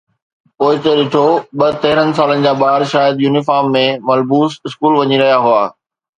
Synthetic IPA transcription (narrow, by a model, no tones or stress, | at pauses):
poːɪt̪ɐɗɪʈʰoɓɐt̪ɐɦɪɾənɪ̆s̬aːlənɪ̆d͡ʑaːɓaːɦɾʃaːjəd̪juːnɪfaːɾmːẽmɐlbuːsɪskuːlʋɐɲiɾɐɦijaɦʊaː